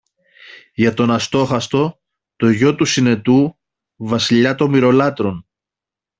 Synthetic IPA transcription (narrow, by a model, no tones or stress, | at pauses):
ʝɐt̪o̞nɐst̪o̞xɐst̪o̞ | t̪o̞ʝo̞t̪usine̞t̪u | vɐsiʎɐt̪o̞miɾo̞lɐt̪ɾo̞n